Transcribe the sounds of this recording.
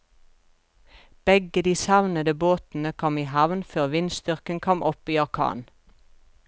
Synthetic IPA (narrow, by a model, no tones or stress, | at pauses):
b̥ɛɡəd̪iːsɑʋnəd̪əboːt̪n̩əkʰɔmiːhæʋnføːʁʋɪnst̪ʏʁkənkʰɔmʔɔpiːɑʁkʰɑ̰ːn